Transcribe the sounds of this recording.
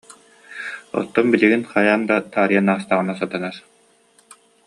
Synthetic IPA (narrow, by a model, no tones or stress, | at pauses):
ɔ̰t̪ːɔnbiliɡinχajaːnd̪at̪aːɾijanaːst̪aʁɯnasat̪ɯnaɾ